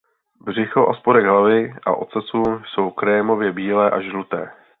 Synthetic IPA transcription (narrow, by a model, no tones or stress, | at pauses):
br̝ɪxoʔaspodɛɡɦlavɪʔa̰ʔo̞t͡sɛsuːso̞wkɾɛmo̞vjɛbiːlɛːʔaʒlut̪ɛ̰ː